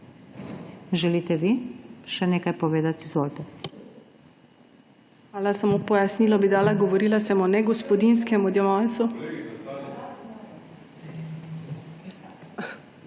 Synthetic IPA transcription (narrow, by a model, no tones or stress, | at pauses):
ʒɛlit̪ɛʋiʃɛneːkajpɔʋeːd̪at̪izʋoːlt̪ɛ | aːlasamoːpɔjasniːlɔbid̪aːlaɡɔʋɔɾiːlasɛmɔnɛɡɔspɔd̪inskɛmud̪jɛʋant̪su